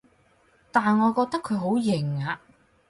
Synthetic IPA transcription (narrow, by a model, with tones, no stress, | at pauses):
t̪aː˨nŋɔː˨˧kɔː˧k̚t̪ɐ˥kʰɵ˨˧ɥɦo˨˥wjɪ˨˩ŋaː˨˧